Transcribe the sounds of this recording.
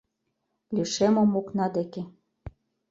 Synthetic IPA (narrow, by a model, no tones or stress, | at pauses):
lʲyʃemomoknɑd̪eke